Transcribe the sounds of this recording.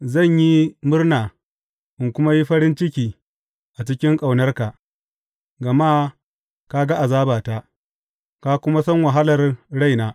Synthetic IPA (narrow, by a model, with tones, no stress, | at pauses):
zɐ˦˨ɲji˦mʊ˦rnaː˨ | ʔɪ˨ŋkʷʊ˦ma˦ji˦ɸɐ˦ɾɪ˦nt͡ʃɪ˦kʲiː˨ | ʔa˨t͡ʃɪ˦kʲɪ˦ŋkʼa˨wnɐ˦rka˨ʔ | ɡɐ˨maː˦ | ka˦ɡa˦ʔa˨zaː˦baː˨ta˦ | ka˦kʷʊ˦ma˦sɐ˦ŋwa˨ɦa˦lɐ˨rɽa˦˨jnaː˦